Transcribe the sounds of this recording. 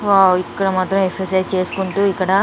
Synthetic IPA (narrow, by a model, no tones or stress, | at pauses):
ikːɐɽɐmaːt̪ɾɐmekseset͡ʃe̞ːsu̥kuɳʈuːikːɐɽɐ